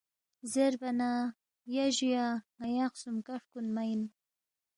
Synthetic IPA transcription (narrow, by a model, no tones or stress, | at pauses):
zeɾbana | jaʒijaajaqsumkaʂkunmajn